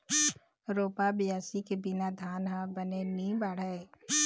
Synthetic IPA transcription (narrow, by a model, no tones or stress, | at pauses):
ɾoːpabɪjaːsikebɪnad̪ʱaːnɦãbənenĩbaːɽ̤əe